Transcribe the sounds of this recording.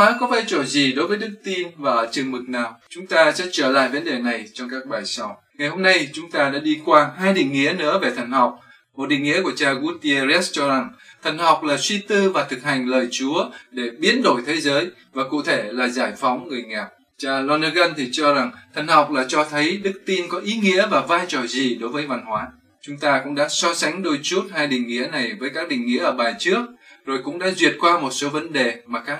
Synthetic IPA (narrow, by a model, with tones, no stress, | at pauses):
aː˨˦kɔ˨˦vaː˧˩jt͡ɕo˧˩zi˨˩ɗo˨˦jvəː˨˦jɗɨ˦˥k̚t̪i˧nvaː˨˩t͡ɕɨ˨˩əŋmɨ˨˩k̚naː˨˩wt͡ɕʊ˨˦ŋ͡mt̪aː˧sɛ̰˧˥t͡ɕəː˧˩la̰ː˧˨jvə˨˦nɗe˨˩na˨˩jt͡ɕɔ˧wŋ͡mkaː˦˥k̚ɓaː˨˩jsɔ˧˩˦w | ŋa˨˩jho˧mna˧jt͡ɕʊ˨˦ŋ͡mt̪aː˧ɗa̰ː˧˥ɗi˧kwaː˧ɦaː˧jɗḭ˧˨ŋ̟ŋḭ˧˥ənɨ̰˧˥əve˨˩t̪ʰə˨˩ŋ̟hɔ˨˩wk͡p̚ | mo˨˩t̚ɗḭ˧˨ŋḭ˧˥ku˧˩ət͡ɕaː˧ɣu˦˥tt̪i˧e˧zɛ˦˥t͡ɕɔ˧za˨˩ŋt̪ʰə˨˩jŋ̟hɔ˨˩wk͡p̚laː˨˩swi˧t̪ɨ˧vaː˨˩t̪ʰɨ˨˩k̚ha˨˩ŋ̟ləː˨˩jt͡ɕu˨˦əɗe˧˩ɓi˨˦ənɗo˧˩jt̪ʰe˨˦zəː˨˦j | vaː˨˩kṵ˧˨t̪ʰe˧˩laː˨˩zaː˧˩jfɔ˨˦wŋ͡mŋɨ˨˩əjŋaː˨˩p̚ | t͡ɕaː˧lɔ˧nə˧ɣə˧nt̪ʰi˨˩t͡ɕɔ˧za˨˩ŋt̪ʰə˨˩ŋ̟ha˨˩wk͡p̚laː˨˩t͡ɕɔ˧t̪ʰə˨˦jɗɨ˦˥k̚t̪i˧nkɔ˨˦ʔi˨˦ŋḭ˧˥əvaː˨˩vaː˧jt͡ɕɔ˨˩zi˨˩ɗo˨˦jvəː˨˦jva˧˩nhwaː˨˦ | t͡ɕʊ˨˦ŋ͡mt̪aː˧kʊ̰˧˥ŋ͡mɗa̰ː˧˥sɔ˧sa˨˦jŋ̟ɗo˧jt͡ɕu˦˥t̚haː˧jɗï˨˩ŋ̟ŋḭ˧˥əna˨˩jvəː˨˦jkaː˦˥k̚ɗï˨˩ŋ̟ŋḭ˧˥ʔəː˧˩ɓaː˨˩nt͡ɕɨ˦˥ək̚zo˨˩jkʊ̰˧˥ŋ͡mɗa̰ː˧˥zwi˨˩ət̚kwaː˧mo˨˩t̚so˨˦və˨˦nɗe˨˩maː˨˩kaː˦˥k